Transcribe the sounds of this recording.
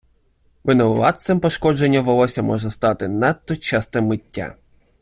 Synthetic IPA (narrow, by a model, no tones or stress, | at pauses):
ʋɪnɔlˠɑt̪sɛmpɔʃkɔd͡ʒenʲːɐʋɔlˠɔsʲɐmɔʒɛst̪ɑt̪ɪnɛt̪ːɔt͡ʃɛst̪ɪmːɪtʲːa̰